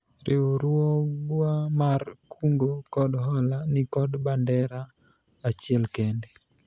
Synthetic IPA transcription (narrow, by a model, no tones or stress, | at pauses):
ɾʔeoɾwɔɡwamarkʰuŋɡokɔdɦɔlanɪkɔdbandɛɾa | at͡ʃɪɛlkɛnde